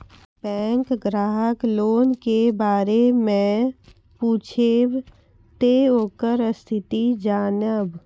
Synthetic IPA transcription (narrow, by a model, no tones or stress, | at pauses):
bɛ̃ːŋkɡɾaːɦəkloːnkebaːɾemẽ | puːt͡ʃʰeb | t̪eɦoːkəɾəst̪ʰɪt̪id͡ʒaːnəb